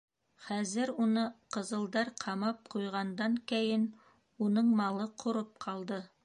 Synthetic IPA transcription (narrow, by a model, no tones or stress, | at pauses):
χæzɘɾunɤqɤ̆zɤ̆lˠd̪ɑɾqʰɑmɑp̚qujʁɑnd̪ɑŋkæjɘn | unɤɴmɑlˠɤqʰŏɾɤp̚qʰɑlˠd̪ɤ